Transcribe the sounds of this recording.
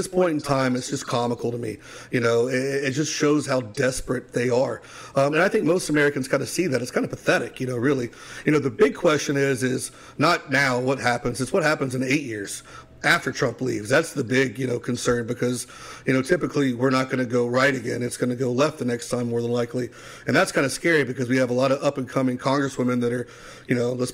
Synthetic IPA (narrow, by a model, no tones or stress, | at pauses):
ðɪspʰɔ̃ɪ̃nn̩tʰãɪ̃mɨtsd̥ʒ̥ʌskʰɑməkl̩ˠɾəmḭ | jɨnoʊɪɪt̚d̥ʒ̥ʌstʃoʊz̥haʊdɛspɹɨt̪̚ðeɪə˞ | ʌɨ̃naɪθɪ̃ŋk̚moʊstəmɛɹɨkɨ̃n̩z̥kʰãɪ̃ndɨsiðɨɾɨtskãɪ̃nd̥əɨpʰəθɛɾɨkjɨñoʊɹɪlˠi | jɨñoʊðɨbɪɡ̚kʰw̥ɛst͡ʃɨ̃nɪzɪz | nət̚ⁿnaʊwʌt̚hæpɨ̃nzɨzwʌt̚hæpɨ̃n̩zɨ̃neɪʔ̚jɪɹz̥ | æftə˞tʰɹ̥ʌ̃mplḭvzðætsðɨbɪɡjɨnoʊkʰɨ̃n̩sɜ̃˞nbɨkʰʌz | jɨnoʊtʰɪpɨkʰliwɪɹnət̚ɡ̥ʌnɨɡoʊɹaɪɾɨɡɛ̰̃nɨtsɡ̥ʌnɨɡoʊlɛft̪̚ðɨnɛkstʰãɪ̃mːɔɹðə̃nlaɪkʰli | ɨ̃nðætskʰãɪ̃ndɨskɛɹibɨkʌzwiɨvəlɑɾʌʌpɨ̃nkʰʌ̃mɪ̃ŋkʰɑ̃ŋɡɹɨswɪ̃mɨ̃nðɨɾə˞ | jɨnoʊləs